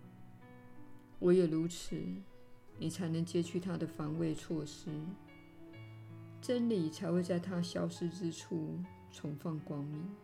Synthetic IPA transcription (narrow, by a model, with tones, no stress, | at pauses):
wɔ˨˧˥jɛ˨˩lu˧˥t͡sʰɻ̩˨˧˦ | ni˨˩t͡sʰa˧˥ɪnɤ˧˥ŋt͡ɕjɛ˥t͡ɕʰy˥˩t̪ʰa˥d̪ə˨fa˧˥ŋwe˥˧ɪt͡sʰwɔ˥˩ʂɻ̩˥ | ʈ͡ʂə˥nli˨˩t͡sʰa˧˥ɪxwe˥˧ɪt͡sa˥˧ɪt̪ʰa˥ɕjɑ˥ʊʂɻ̩˥ʈ͡ʂɻ̩˥ʈ͡ʂʰu˥˩ | t͡sʰʊ˧˥ŋfɑ˥˩ŋkwɑ˥ŋmi˨˩˦ŋ